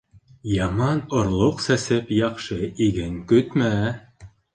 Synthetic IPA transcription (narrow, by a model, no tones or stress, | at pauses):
jɑmɑnŏɾlˠoqsæsɘpjɑqʃɤiɡɘŋkɵt̪mæ